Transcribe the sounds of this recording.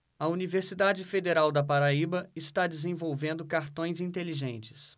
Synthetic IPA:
ɐuniveɾsid̪ad͡ʒɪfed̪eɾawd̪ɐpaɾaibɐɪst̪ad͡ʒɪzẽvowvẽnd̪ʊkaɾt̪õj̃zĩnt̪eliʒẽnt͡ʃɪ̥s

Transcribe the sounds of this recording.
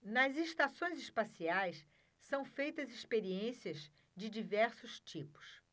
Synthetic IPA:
nɐzest̪asõj̃zɪspasiajs | sɐ̃w̃fejt̪ɐzɪspeɾiẽsiɐz | d͡ʒɪd͡ʒivɛɾsʊst͡ʃipʊ̥s

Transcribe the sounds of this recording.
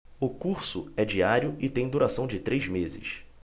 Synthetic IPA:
ʊkuɾsʊɛd͡ʒiaɾjʊɪt̪ẽj̃d̪uɾasɐ̃w̃d͡ʒɪt̪ɾʔejzmezɪ̰s

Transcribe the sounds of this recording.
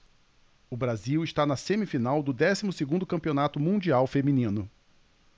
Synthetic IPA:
ʊbɾaziwɪʃt̪anɐsẽmifinawd̪ʊd̪ɛsimʊseɡũnd̪ʊkɐ̃mpionat̪ʊmũd͡ʒiawfemĩnĩnʊ

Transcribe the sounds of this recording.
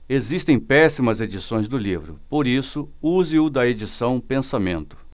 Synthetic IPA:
ezist̪ẽj̃pɛsimɐzed͡ʒisõj̃zd̪ʊlivɾʊ̰poɾisʊuzɪʊd̪ɐed͡ʒisɐ̃w̃pẽsamẽnt̪ʊ̥

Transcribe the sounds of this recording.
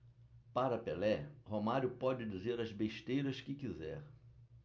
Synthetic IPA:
paɾɐpelɛhomaɾjʊpɔd͡ʒɪd͡ʒizeɾɐzbeʃt̪ejɾɐskɪkizɛ̰ɾ

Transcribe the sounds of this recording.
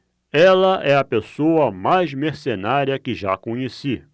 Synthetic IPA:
ɛlɐʔɛɐpesowɐmajzmeɾsenaɾiɐkɪʒa̰kõɲesi

